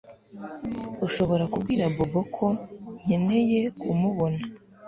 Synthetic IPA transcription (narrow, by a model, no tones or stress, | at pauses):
uʃo̞βo̞ɾakubɡiːɾabobokʰoɲe̞ne̞je̞kumuβona